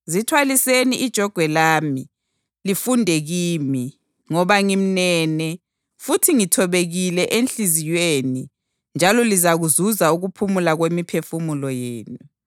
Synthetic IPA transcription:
zitʰwaliseniʔid̥ʒ̥ʱɔɡ̥ʱwɛlaːmi | lifundʱɛɣiːmi | ŋɔβaŋim̩nɛːnɛ | futʰiŋitʰɔβeɣilɛʔenɬizijweːni | nd͡ʒʱalɔlizaɣuzuzauɣupʰumulaɣwemipʰefumulɔjeːnu

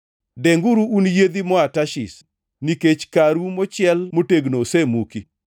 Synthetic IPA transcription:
dɛŋɡuɾuːnjed̪imɔataʃɪ̰s | niket͡ʃkaɾumɔt͡ʃɪɛlmoteɡnosemuki

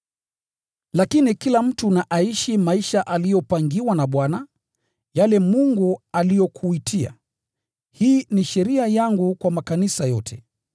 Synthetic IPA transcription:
lakinikilam̩tunaʔaiʃimaiʃaʔalijɔpaŋɡiwanaɓwana | jalɛmuŋɡualijɔkʰuitʰia̰ | hiːniʃɛɾiajaŋɡukwamakanisajɔtʰɛ

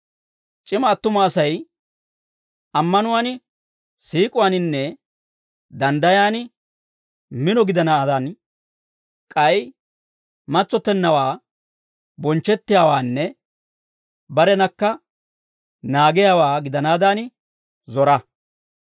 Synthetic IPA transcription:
t͡ʃʼɪmɐːt̪ːʊmaːsɐj | ɐmːɐnʊwaːnɪ | siːkʼʊwaːnɪnːɛ | d̪ɐnd̪ɐjaːnɪ | mɪnɔɡɪd̪ɐnaːd̪ɐn | kʼɐj | mɐt͡sːɔt̪ːɛnːɐwaː | bɔnt͡ʃːɛt̪ːɪjaːwaːnːɛ | bɐɾɛnɐkːɐ | naːɡɪjaːwaːɡɪd̪ɐnaːd̪aːnɪ | zɔɾɐ

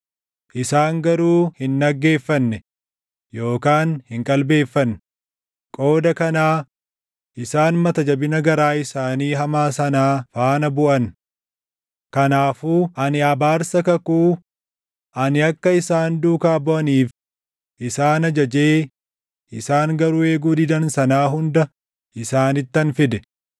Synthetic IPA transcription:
ʔɪsaːŋɡɐɾuːhɪnːɐɡːe̞ːfːɐnːɛ | jo̞ːkaːnhɪŋkʼɐlbe̞ːfːɐn | kʼo̞ːd̪ɐkɐnaː | ʔɪsaːnmɐt̪ɐd͡ʒɐbɪnɐɡɐɾaːɪsaːniːɦɐmaːsɐnaːfaːnɐbʊʔɐn | kɐnaːfuːʔɐnɪɐbaːɾsɐkɐkuː | ʔɐnɪɐkːɐɪsaːnd̪uːkaːbɔʔɐniːf | ʔɪsaːnɐd͡ʒɐd͡ʒeː | ʔɪsaːŋɡɐɾʊe̞ːɡuːd̪ɪd̪ɐnsɐnaːɦʊnd̪ɐ | ʔɪsaːnɪt̪ːɐnfɪd̪ɛ

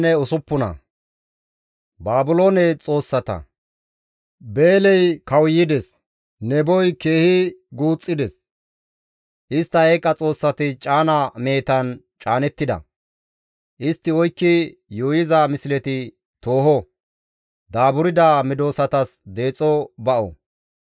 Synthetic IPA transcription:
nɛʊsʊpːʊnɐ̰ | baːbʊlo̞ːnɛt͡sʼo̞ːsːɐt̪ɐ̰ | be̞ːlɛjkɐwjɪd̪ɛs | nɛbɔjke̞ːhɪɡuːt͡sʼːɪd̪ɛs | ʔɪst̪ːɐeːkʼːɐt͡sʼo̞ːsːɐt̪ɪt͡ʃʼaːnɐme̞ːt̪ɐn | t͡ʃʼaːnɛt̪ːɪd̪ɐ̰ | ʔɪst̪ːɪɔjkːɪjuːjɪzɐmɪslɛt̪ɪ | t̪o̞ːhɔ | d̪aːbʊɾɪd̪amɪd̪o̞ːsɐt̪ɐsd̪e̞ːt͡sʼːɔbɐʔɔ̰

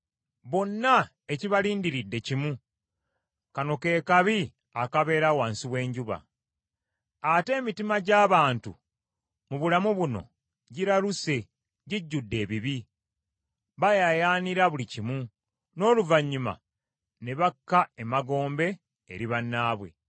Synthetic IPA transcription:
βo̞nːa | e̞ciβaliːndiɾidːe̞cimu | kano̞ke̞ːkaβi | akaβe̞ːɾawaːnsiβwe̞ːɲɟuβa̰ | ate̞ːmitimaɟaːβaːntṵ | muβulamuβuno̞̰ | ɟiɾaluse̞ | ɟiɟːudːe̞ːβiβi | βajajaːniɾaβulicimu | no̞ːluvaɲːuma̰ | ne̞βakːaemaɡo̞ːmbe̞̰ː | ɾiβanːaːβwe̞̰

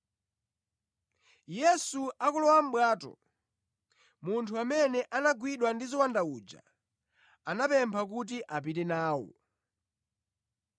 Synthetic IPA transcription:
jɛsuakulɔwam̩ɓwaːtɔ̰ | muntʰuamɛnɛʔanaɡwiɗwandizɔwandauːd͡ʒa̰ | anapɛmpʰak̬ut̬iʔap̬itɛnaːwɔ̰

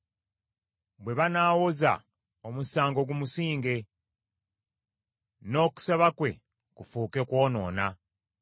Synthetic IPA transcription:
bwe̞βanaːwoza̰ | omusaːŋɡo̞ɡumusiːŋɡe̞ | no̞ːku̥saβakwe̞̰ | kufuːke̞kwo̞ːno̞̰ːna

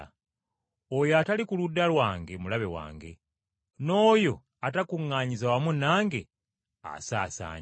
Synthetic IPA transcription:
ojoatalikuludːalwaːŋɡe̞mulaβe̞wa̰ːŋɡe̞̰ | no̞ːjo̞ | atakuŋːaːɲizawamunaːŋɡe̞ | a̰saːsa̰ːɲ

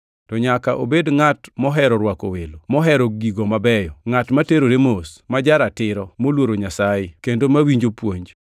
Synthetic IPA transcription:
tɔɲakaʔo̰bedŋatmɔɦɛɾɔɾwako̰welomɔɦɛɾɔɡiɡomabɛjɔŋatmateɾoɾemosmad͡ʒaɾatɪɾɔmolwoɾoɲasajekendomawiɲd͡ʒopwoɲd͡ʒ

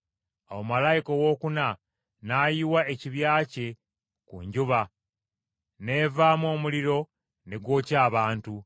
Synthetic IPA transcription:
awomalajikowo̞ːkuna | naːjiwae̞ciβjaːce̞ | kṵɲɟuβa | neːvaːmo̞ːmuliɾo̞ | ne̞ɡwo̞ːcaːβaːntu

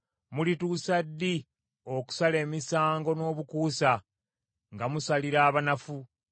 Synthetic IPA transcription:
mulituːsadːi | o̞ku̥sale̞ːmisaːŋɡo̞no̞ːβukuːsa | ŋɡamusaliɾaːβanafu

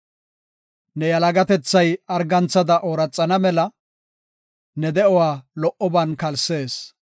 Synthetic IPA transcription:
nɛjɐlɐɡɐt̪ɛt͡sːɐjɐɾɡɐnt͡sːɐd̪ɐʔoːɾɐt͡sʼːɐnɐmɛlɐ | nɛd̪ɛɔwaːlɔʔɔbɐnkɐlse̞ːs

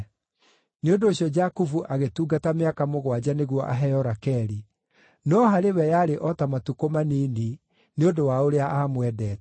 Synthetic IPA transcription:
neondoːɕjɔd͡ʒakuvuʔaɣetuːɡatameakamoɣwad͡ʑaneɣwɔʔa̰ɦɛjɔɾakɛɾi | nɔɦaɾewɛjaɾeʔɔtamatukomaniːni | neondowaoɾeaʔaːmwɛdɛːt

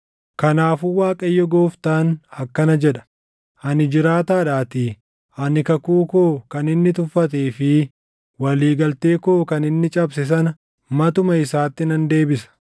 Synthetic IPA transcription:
kɐnaːfuwaːkʼɐjːɔɡoːft̪aːnɐkːɐnɐd͡ʒɛᶑɐ̥ | ʔɐnɪd͡ʒɪɾaːt̪aːᶑaːt̪ɪ | ɐnɪkɐkuːkoːkɐnɪnːɪt̪ʊfːɐt̪eːfɪ | wɐliːɡɐlt̪eːko̞ːkɐnɪnːɪt͡ʃʼɐbs̬ɛs̬ɐnɐ | mɐt̪ʊmɐɪsaːt̪ːɪnɐnd̪e̞ːbɪsɐ̥

